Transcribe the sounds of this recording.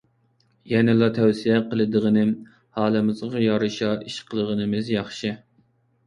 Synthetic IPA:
jɛnɪlˠɑt̪ʰɛwsijɛqəlˠɨd̪əʁənɪm | hɑːlˠɨmɨzɑjɑɾɨʃɑʔiʃqʰəlˠəʁənɨmɪzjɑχʃɪ

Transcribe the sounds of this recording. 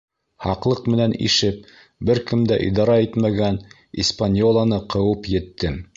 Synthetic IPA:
hɑqlˠɤq̚mɘ̆nænʔḭʃɘp̚ | bɘɾkɘmd̪æʔḭd̪ɑɾɑit̪mæɡæn | ḭspanʲjolˠɑnɤqɤ̆wɤpjɘ̆t̪ːɘ

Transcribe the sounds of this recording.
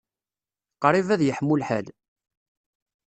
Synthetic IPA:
qɾˤivæðjəħmːʊlħæl

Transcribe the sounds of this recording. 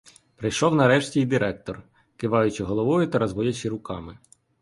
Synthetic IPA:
pɾɪjʃɔwnɐɾɛʃtʲiid̪ɪɾɛk̚t̪ɔr | kɪʋɑjʊt͡ʃɪɦɔlˠɔʋɔjʊt̪ɐɾɐzʋɔdʲɐt͡ʃɪɾʊkɑmɪ

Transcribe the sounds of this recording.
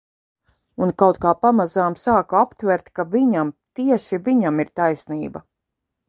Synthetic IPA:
unkawt̪kaːpamazaːmsaːkuapt̪vɛɾt̪kaviɲamt̪iɛʃiviɲamiɾt̪ajsniːba

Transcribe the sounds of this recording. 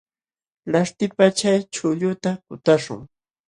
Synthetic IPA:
laʃt̪ɪpat͡ʃajt͡ʃʊʎʊt̪akʊt̪aʃʊ̰ŋ

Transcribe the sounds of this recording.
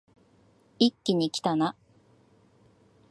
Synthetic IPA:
ikʲːiɲ̟ikʲi̥t̪ana

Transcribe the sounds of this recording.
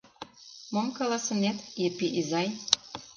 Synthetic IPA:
momkɑlɑsɤ̆net̪jepiʔizɑj

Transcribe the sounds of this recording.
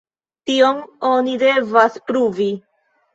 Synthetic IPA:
tio̞no̞nide̞vaspɾuvi

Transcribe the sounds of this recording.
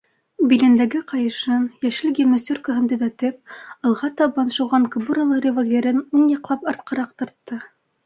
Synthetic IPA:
bilɘ̆nd̪æɡɘqɑjɤ̆ʃɤnjæʃɘlɡʲemosʲorkəɦɤ̆nd̪ɘ̆ðæt̪ɘp̚ɤ̆lˠʁɑt̪ɑbɑnʃŏwʁɑŋkobuɾalˠɤrʲevolʲvʲeɾɘnunjɑ̆qlˠɑpɑɾt̪̚qɤ̆ɾɑq̚t̪ɤ̆ɾt̪ːɤ

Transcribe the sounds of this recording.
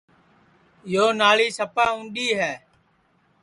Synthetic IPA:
joːnaːɭiːsəpaːũːnɗiːɦɛː

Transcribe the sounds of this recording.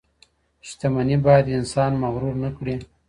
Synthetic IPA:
ʃt̪amanibɑjad̪ɪnsɑnmaɣɾuɾnakɽi

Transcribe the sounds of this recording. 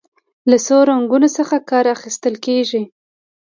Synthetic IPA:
lasoɾaŋɡunosəxakɑɾaxist̪əlkeʒi

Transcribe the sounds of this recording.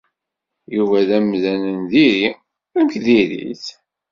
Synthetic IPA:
juvæðæmðænənðiɾi | æmçðiɾḭθ

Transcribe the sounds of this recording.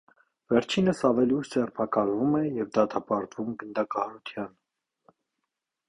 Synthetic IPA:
vɛɾt͡ʃʰinəsɑvɛliuʃd͡zɛrpʰɑkɑlvumɛjɛvd̪ɑt̪ʰɑpɑɾt̪vumɡənd̪ɑkɑhɑɾut̪ʰjɑn

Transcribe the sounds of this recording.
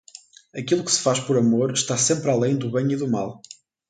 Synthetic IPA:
ɐkilˠukɨ̥sɨ̥faʃpɔɾɐmoɾʃt̪asẽmpɾalˠẽj̃d̪uβẽj̃iðumalˠ

